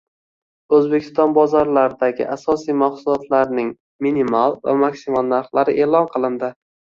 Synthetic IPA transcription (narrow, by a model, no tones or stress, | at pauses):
ɵzbekʲʰɪ̥st̪ɒnbɒzɒɾlaɾɪd̪aɡʲɪ̰ʔasɒsijmaχsulˠɒt̪ʰlaɾnɪŋ | minimalˠva̰makʲsɪmɒnnaɾχlˠaɾɪʔe̞ːlˠɒnqʰɨlˠɪnd̪ɪ